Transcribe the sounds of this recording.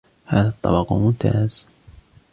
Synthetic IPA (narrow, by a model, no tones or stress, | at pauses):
haːðat̪ˤːɑbɑqmʊmt̪a̰ːz̥